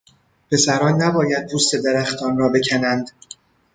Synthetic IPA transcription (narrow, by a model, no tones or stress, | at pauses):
pʰe̞sæɾɒːnːæbɒːjæd̪̚pʰust̪e̞d̪eɾæxt̪ʰɒːnrɒːbe̞cʰænænd̪̥